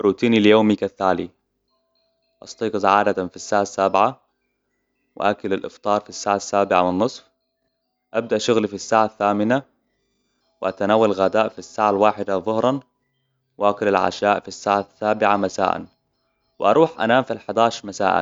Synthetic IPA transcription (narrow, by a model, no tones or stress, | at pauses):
ʔɾˤuːt̪iːniljoːmikaθːaːli | ʔɑst̪ˤiːqsaʕaːd̪at̪anfisːaːʕasːabʕa | wɪ̰ʔakalalʔɪ̰ft̪ˤɑːɾˤfisːaːʕasːaːbɪʕamɪnnːɨsˤf | ʔab̚d̪aʔʃʊɣlifisːaːʕaθːaːmɪna | wɪʔat̪anaːwalɣaːd̪aːʔfisːaːʕalwaːħɪd̪aðˤʊhɾˤɑn | wɪʔakalalʕa̰ʃaːʔfisːaːʕasːaːbɪʕamasa̰ːʔa̰n | wɪʔɑ̰ɾˤuːħʔa̰naːmfilħad̪aːʃɾmasa̰ːʔa̰n